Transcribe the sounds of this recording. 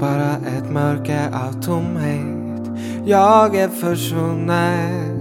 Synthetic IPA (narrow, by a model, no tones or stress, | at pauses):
b̥ɑːɾaʔɛt̪mœɾkəʔɑvt̪ʰʊmhe | t̪ | jɑːɡæɾfœʂvuna